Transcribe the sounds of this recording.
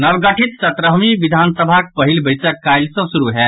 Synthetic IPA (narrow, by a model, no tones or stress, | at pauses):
nəʋɡəʈʰit̪sət̪ɾəɦmiʋid̪ʱansəbʱak̚pəɦilbəɪsəkːajlsɔ̃suɾuɦɛ